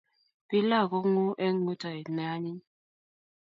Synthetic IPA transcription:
pi˦la˦˨kɔ˦ŋu˦ʔe˦ŋu˦tʰa˨i˨na˦ɲi˦

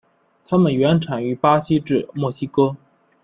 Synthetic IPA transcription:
t̪ʰa˥mə˨nɥɛ˧˥nʈ͡ʂʰa˨˩ny˧˥pa˥ɕi˥ʈ͡ʂɻ̩˥˩mwɔ˥˩ɕi˥kɤ˥

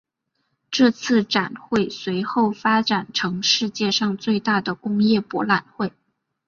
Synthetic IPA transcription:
ʈ͡ʂɤ˥˧t͡sʰɹ̩˥˩ʈ͡ʂa˨˩nxwe˥˩ɪswe˧˥ɪxo˥˩ʊfa˥ʈ͡ʂa˨˩nʈ͡ʂʰɤ˧˥ŋʂɻ̩˥˧t͡ɕjɛ˥˧ʂɑ˥˧ŋt͡swe˥˧ɪt̪a˥˩d̪ə˩kʊ˥ŋjɛ˥˩pwɔ˧˥la˨˩nxwe˥˩ɪ

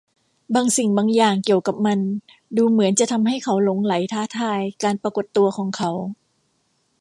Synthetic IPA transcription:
baː˧ŋsi˨˩ŋbaː˧ŋjaː˨˩ŋki˨˩əwka˨˩p̚ma˧n | duː˧mɯ˩˦ənt͡ɕa˨˩t̪ʰa˧mɦa˥˩jkʰa˩˥wlo˨˧˦ŋla˩˦jt̪ʰaː˥˩t̪ʰaː˧˩jkaː˧npɾa˧ko˨˩t̪ːu˧ɐkʰɔː˩˦ŋkʰa˨˦˥w

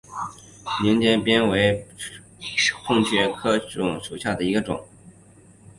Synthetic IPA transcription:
ni˧˥ŋt͡ɕjɛ˥npjɛ˥nwe˧˥ɪ | xʊ˥˧ŋɕɥɛ˥˩kʰɤ˥ʈ͡ʂʊ̰˨˩ŋʂu˨˩ɕja˥˩d̪ə˩i˧˥ɡə˧ʈ͡ʂʊ̰˨˩˦ŋ

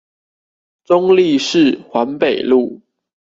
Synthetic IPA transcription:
ʈ͡ʂʊ˦ŋli˥˨ʂɻ̩˥˨xwa˧˦npe˨˩ɪlu˥˨

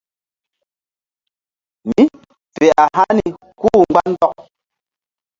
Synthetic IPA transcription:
mi˦ | fɛ˨ʔa˨ɦa˦ni˨ | kuː˦˨ɡ͡ba˦n˦dɔ˦˨k̚

